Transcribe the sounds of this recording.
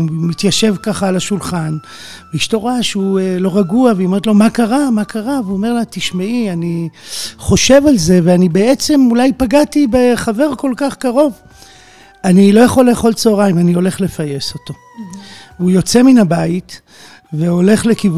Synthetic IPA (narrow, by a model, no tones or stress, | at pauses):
mit̪jaʃe̞vkaχaːlaʃulχan | veiʃto̞ʁaʃuelo̞ʁaɡuaveome̞ʁt̪lo̞makaʁamakʰaʁaveuome̞ʁlat̪iʃmaianiχo̞ʃe̞valze̞veanibe̞et͡se̞mulajpaɡatibeχave̞ʁko̞lkaχkaʁo̞v | anilo̞jaχo̞lːeːχo̞lt͡soːʁaimanio̞le̞χle̞faje̞so̞t̪o̞ | ujo̞t͡se̞minabait | veo̞le̞χle̞kiv